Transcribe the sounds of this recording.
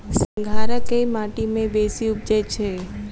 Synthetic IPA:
sə̃ŋɡʱaɾəkeimaʈimẽbesiʊp̚d͡ʒet͡ʃʰe

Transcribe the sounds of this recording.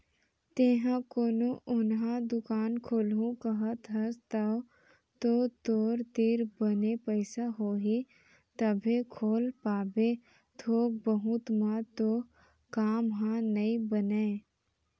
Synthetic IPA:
t̪eːɦãkoːnoʔʊnɦãd̪ʊkaːnkʰoːlũkəɦət̪ɦɐst̪ɐ | t̪oːt̪oːɾt̪iɾbənepəɪsaɦoːɦi | t̪əbʱekʰoːlpaːbe | t̪ʰoːk̚bəɦut̪mãt̪oː | kaːmɦãnɐĩbəneː

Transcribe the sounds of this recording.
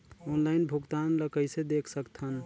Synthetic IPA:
ɔnlaɪnbʱuɡt̪anləkəɪsed̪ekʰsəkt̪ʰən

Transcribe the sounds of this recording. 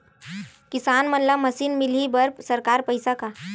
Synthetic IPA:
kɪsaːnmənlaməsiːnmilibəɾpsəɾkaːɾpəjsaka

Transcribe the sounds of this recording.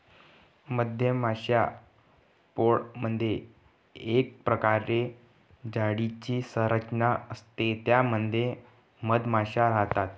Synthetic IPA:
məd̪ʱjəmaɕja | poɽmənd̪ʱje | ek̚pɾəkaɾe | d͡ʑaɽit͡ɕiːsəɾət͡ɕnaəst̪et̪jaməd̪ʱje | məd̪maɕaɾaɦt̪at̪

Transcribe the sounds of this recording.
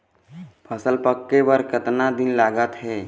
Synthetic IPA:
pʰəsəlpəkːebəɾkət̪nad̪ɪnlaːɡət̪ɦɛː

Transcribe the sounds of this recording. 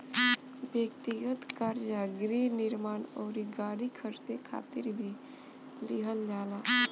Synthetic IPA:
bjəkt̪ɪɡət̪kaɾd͡ʒaɡɾenɪɾmaːnoːɾiɡaːɽikʰəɾt̪ekʰa̰ːt̪ɪɾbʱi | lɪɦəld͡ʒaːlaː

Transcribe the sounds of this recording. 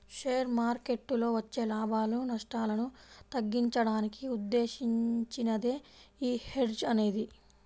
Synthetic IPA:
ʂeːjɐɾmaːɾke̞ʈːlo̞ːʋɐt͡ʃːe̞ːlaːbaːlunɐʂʈaːlɐnut̪ɐɡːiɲt͡ʃɐɽaːnikiud̪ːe̞ːʃiɲt͡ʃinɐd̪e̞ːiːhe̞ɖd͡ʒɐne̞ːd̪i

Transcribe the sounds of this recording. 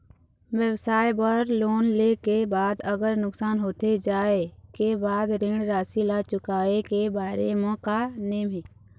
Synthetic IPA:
wjəwsaːjbəɾloːnlekebaːd̪əɡəɾnʊksaːnɦoːt̪ed͡ʒaːekebaːd̪ɾɪ̃ɽɾaːsilat͡ʃʊkaːekebaːɾemɔ̃ːkaneːme

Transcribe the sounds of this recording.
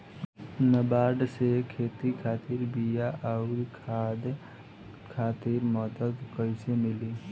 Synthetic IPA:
nəbaːɖsekʰeːt̪ikʰaːt̪iɾbijaʔaɾkʰad̪ | kʰaːt̪iɾmɔːt̪ək̪kəɪsemɪli

